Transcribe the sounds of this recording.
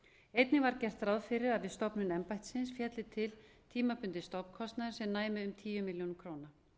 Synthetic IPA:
ejt̪nɪvaɾcɛr̥t̪ɾawðfɪɾɪɾaðvɪðst̪ɔwpnʏnɛmpajt̪sɪnsfjɛt̪lɪt̪ʰɪlt̪ʰiːmapʏnt̪ɪst̪owpn̥kʰɔst̪naðʏɾ̥sɛmnaːjmɪʏmt̪ʰiːjʏmɪljonkʰɾoːwna

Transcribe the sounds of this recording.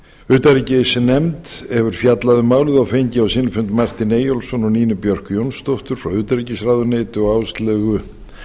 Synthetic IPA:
ʏt̪aɾicɪsɪnɛmt̪ɛvʏɾ̥fjat̪laðʏmaːwlɪðawfejɲcɪawsɪnfʏnt̪mar̥t̪ɪneːjɔlsɔnɔniːnʏpjœr̥kjownst̪owht̪ʏɾ̥fɾawʏːt̪aɾicɪsraːðʏneːt̪ʏɔawst̪lɛːɣʏ

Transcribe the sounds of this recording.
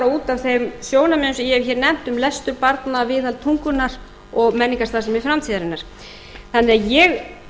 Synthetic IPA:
auːt̪avθejmsjoːwnamɪnʏsjɛçɛɾnɛm̥t̪ʏmlɛst̪ʏɾpaɾt̪navɪːðalt̪ʰuŋkʏnaɾ̥ | ɔɣmɛnːiŋkast̪asɛmɛðfɾamt̪ʰiːðaɾɪnːaɾ̥ | θanːɛajɛɣ

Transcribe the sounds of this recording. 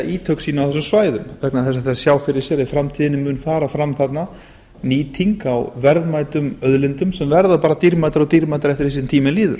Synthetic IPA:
aiːt̪ʰœwksiːnawθɛsʏmsvaːjðʏmvɛknaθɛsːaθɛssjaːwfɪɾɪɾ̥sjɛɾɪðfɾamt̪ʰiːðɪnɪmːʏːnfaːɾafɾamθat̪na | niːt̪ʰiŋkawvɛɾðmaːjt̪ʏmœðlɪnt̪ʏmsɛmvɛɾðapaːɾat̪iɾmajt̪aɾɔt̪iɾmajt̪aɾɛft̪ɪɾ̥his̬int̪ʰiːmɪnliːðʏ̰ɾ̥

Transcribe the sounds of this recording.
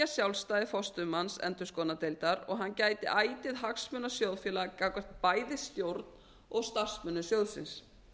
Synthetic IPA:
asjawlst̪aːðɪfɔst̪ʏmansɛ̰nt̪ʏ̥skɔːnat̪ejlt̪aɾɔɣɦancaːjt̪ɪʔaːjt̪ɪðɦaksmʏnasjowðfjɛːlakakvɛɾ̥t̪̚paːjðɪst̪jowɾt̪n | ɔɣst̪ar̥smʏnːʏsjowðsɪ̰ns

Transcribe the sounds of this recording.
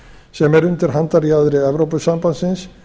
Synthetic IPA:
sɛmɛɾʏnt̪ɪɾ̥ɦant̪aɾjaðɾɪɛvɾowpʏsampansɪns

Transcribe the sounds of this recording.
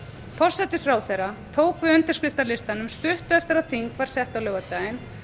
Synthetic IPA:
fɔr̥sɛt̪ɪ̥fɾaːwθejɾat̪ʰoːwkvɪʏnt̪ɪ̥ɾskɾɪst̪aɾlɪst̪anʏmst̪ʏht̪ʏɛft̪ɪɾaðθiŋkvaɾ̥sɛht̪awlœːɣat̪ajɪn

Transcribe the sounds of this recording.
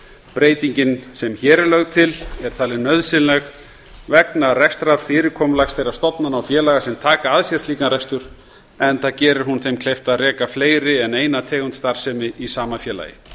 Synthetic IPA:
pɾeːjt̪iɲcɪnsɛmçɛːɾɪlœɣt̪ʰɪlɛɾ̥t̪ʰaːlɪnœðsɪnlɛɣ | vɛknarɛkst̪ɾaɾ̥fɪːɾɪɾkʰɔːmlaxsθejɾḁst̪ɔt̪nanawfjɛːlaɣasɛmt̪ʰaːkaaðsjɛɾ̥t̪liːkanrɛkst̪ʏɾ̥ | ɛnθacɛːɾɪɾ̥ɦunθejmkʰlejft̪aðrɛːkafleːjɾɪɛneːjnat̪ʰɛːɣʏnt̪st̪aɾ̥sɛːmɪisaːmafjɛːla̰jɪ̰

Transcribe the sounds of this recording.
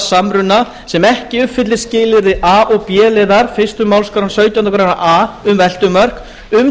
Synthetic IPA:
samɾʏnːa | sɛmɛhcɪʏpfɪt̪lɪ̥scɪːlɪɾðɪʔaːʔɔɣpjɛːlɪːðaɾfɪ̥st̪ʏmawlskaɾansœɥjt̪janakʰɾanaʔaʏmvɛl̥t̪ʏmœr̥k | ʏm

